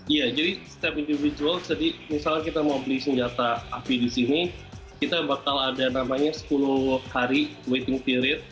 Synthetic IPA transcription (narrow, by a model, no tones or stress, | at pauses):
ijad͡ʒadisə̥t̪iapindivid͡ʒuald͡ʒadimisalɲakit̪amaubəlisəɲd͡ʒat̪aapidisini | kit̪abakaladanamaɲasə̥pulʊhaɾiwet̪ɪŋpiɾɪt̪̚